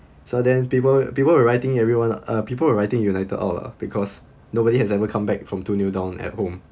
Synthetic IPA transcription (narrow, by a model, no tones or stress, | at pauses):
sodɛ̃npipəlpipəlwəɹaɪtɪ̃ŋɛvɹiwãnʌpipəlwəɹaɪtɪ̃ŋjunaɪtədɔ̰la̰b̥ikʰɔs | nobɔɾihɛsɛvəkʰãmbɛk̚fɹɔ̃mtunjudãʊ̃nɛ̰t̚hõm